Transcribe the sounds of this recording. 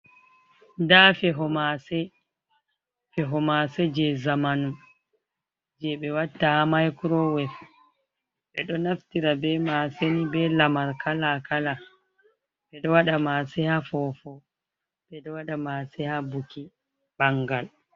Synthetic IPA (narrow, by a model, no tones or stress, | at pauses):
dafɛɦɔmasɛ | fɛɦɔmasɛd͡ʒɛzamanum | d͡ʒɛɓɛwatːahamajkuɾɔwɛf | ɓɛ̰ɗɔnaftiɾabɛmasenibɛlamaɾkalakala | ɓɛɗɔwaɗamasɛhafɔfɔ | b̥ɛɗɔwaɗamaːsɛhabuki | baŋɡal